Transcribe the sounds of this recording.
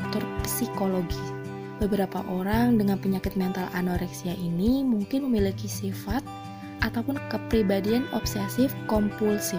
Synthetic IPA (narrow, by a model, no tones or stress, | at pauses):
t̪ɔrpəsikoloɡis | bəbəɾapa̰ʔoɾaŋdəŋanpəɲakɪt̪̚mɛnt̪alʔa̰noɾɛksiaʔinimuŋkɪnməmilikisifat̪̚ | ʔat̪awpʊnkəpɾibadianɔ̰psɛsɪfkɔmpulsɪ